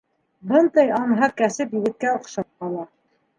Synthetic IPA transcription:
bɤnd̪ɑjɑnɦɑkæsɘpjɘ̆ɡɘ̆t̪̚kæŏqʃɑp̚qɑlˠɑ

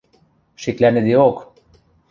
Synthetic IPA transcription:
ʃiklæned̪iok

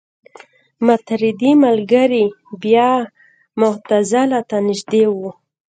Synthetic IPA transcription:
mat̪ɾɪd̪imalɡəɾibjɑ | mʊht̪azalat̪anɪʃd̪ewu

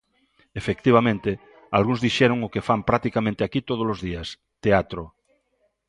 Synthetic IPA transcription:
efek̚t̪iβ̞amẽnt̪e | alɣũŋzðiʃɛɾoŋʊkefampɾak̚t̪ikamẽnt̪eakit̪oð̞olozðias | t̪eat̪ɾo

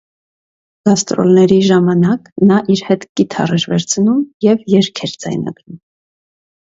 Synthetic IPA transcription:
ɡ̥ɑst̪ɾɔ̰lnɛɾiʒɑmɑnɑknɑʔiɾhɛt̪ɡ̥it̪ʰɑ̰rɛɾvɛɾt͡sʰnumjɛvjɛɾkʰɛɾd͡zɑ̰jnɑ̰ɡ̥ɾum

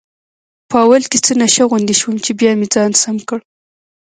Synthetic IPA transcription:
pəawalket͡sənaʃaɣund̪eʃwəmt͡ʃebjɑmed͡zɑnsamkəɽ

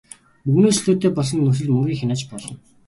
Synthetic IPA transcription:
uɣnoːsɮuːt̪eːpɔɮɞ̆nːɵs̬ɘ̆ɮmɵŋɡʲiːŋxʲanaːt͡ɕpɔɮɞ̆n

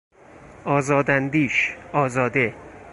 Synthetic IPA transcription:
ʔɒːzɒːd̪ænd̪iːʃɒːzɒːd̪e

